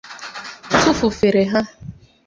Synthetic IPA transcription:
tʊ˦fʊ˨fe˨ɾe˨ɦa˦

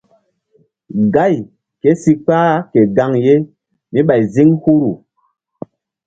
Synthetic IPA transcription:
ɡa˦˨j | ke˦si˦k͡paː˦ke˨ɡa˦ŋje˦ | mi˦ɓa˨jzi˦ŋhu˦ɾu˨

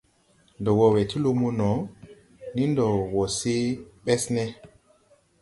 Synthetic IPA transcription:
ndɔ˨wɔ˨wɛ˨ti˦lo˦mu˦nɔ˨˦ | ni˦ndɔ˨wɔ˨se˦ɓɛ˦snɛ˦

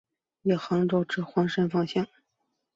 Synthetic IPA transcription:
jɛ˨˩xɑ˧˥ŋʈ͡ʂo˥ʊʈ͡ʂɻ̩˥˩xwɑ˧˥ŋʂə˥nfɑ˥˧ŋɕjɑ˥˩ŋ

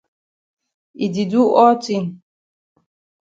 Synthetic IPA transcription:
i˨di˨du˦ʔɔ˦ti˦n˨

